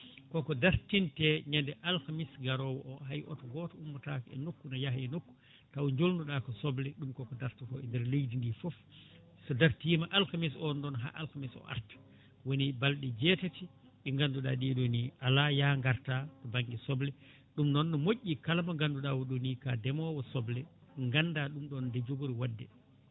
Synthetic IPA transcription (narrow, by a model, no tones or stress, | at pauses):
kɔkɔdaɾtintɛɲandɛʔalkamisɡaɾɔwɔʔɔɦajʔɔ̰tɔɡɔtɔumːatakɛɛ̰nokːunɔjahɛnokːu̥ | tawɲd͡ʒolnduɗakɔsɔblɛɗumkɔkɔdaɾtikɔɛndɛɾlejdindifɔf | sɔdaɾtimaʔalkamis̬ɔndɔnɦa̰ːʔalkamisɔ̰ʔa̰ɾtḁ | wonibalɗɛd͡ʒɛtati | ɓɛŋɡanduɗa̰ːɗiɗoniʔalajaːŋɡaɾtatɔbaŋɡisɔblɛ | ɗumnɔnːɔmoʔʲːikalamaŋɡanduɗawɔɗonikadɛmɔwɔsɔblɛ | ŋɡanːdaɗumɗɔndɛd͡ʒobuɾiwadːɛ